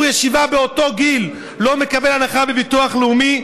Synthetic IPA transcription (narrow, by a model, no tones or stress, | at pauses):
jeʃivabeo̞to̞ɡil | lo̞me̞kabelanaχabevituaχlumi